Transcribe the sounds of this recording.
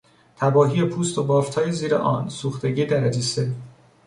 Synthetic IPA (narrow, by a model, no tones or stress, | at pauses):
t̪ʰæbɒːɦijepʰuːst̪obɒːft̪ʰɒːjeziːɾḛʔɒːnsuːxt̪e̞ɟiːd̪æɾæd͡ʒise